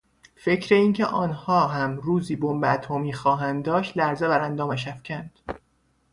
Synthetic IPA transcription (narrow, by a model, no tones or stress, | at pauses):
fe̞cʰɾe̞iːncʰḛʔɒːnhɒːɦæmɾuːziːbombeæt̪ʰomiːxɒːɦænd̪ɒːʃt̪læɾzebæɾænd̪ɒːmæʃ̬æfcʲʰænd̪̥